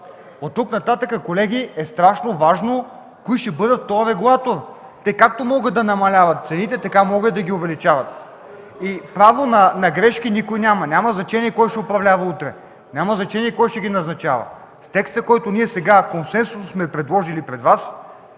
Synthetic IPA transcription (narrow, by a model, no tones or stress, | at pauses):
ot̪ːuknɐt̪at̪əkəkolɛɡ̟ʲiɛst̪ɾaʃnovaʒno | koiʃɛbɤd̪ət̪ːɔjɾɛɡulˠat̪oɾ | t̪ɛkːak̚t̪omɔɡət̪ɐnɐmɐlʲavɐt̪̚t̪sɛnit̪ɛt̪ɐkamɔɡət̪d̪ɐɡʲiʊvɛlit͡ʃavɐt̪̚ | ipɾavonɐnɐɡɾɛʃkʲinikojnʲamɐnʲamɐznɐt͡ʃɛniɛkɔjʃɛopɾɐvlʲavɐut̪ɾɛ | nʲaməznɐt͡ʃɛniɛkɔjʃɛɡʲinɐznɐt͡ʃa̰və̰ | st̪ɛkst̪əkɔjt̪oniɛsɛɡakonsɛnsussmɛpɾɛd̪lˠɔʒilipɾɛd̪vas